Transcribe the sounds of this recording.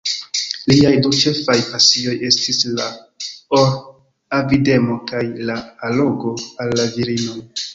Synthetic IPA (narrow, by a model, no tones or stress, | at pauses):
liajdut͡ʃe̞fajpasio̞je̞stisla | oɾ | avide̞mo̞kajlaːlo̞ɡo̞alːaviɾino̞j